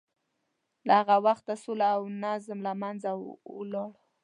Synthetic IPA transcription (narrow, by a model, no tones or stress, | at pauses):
lahaɣawaxt̪asulaːwnazmlamanzalɑɽ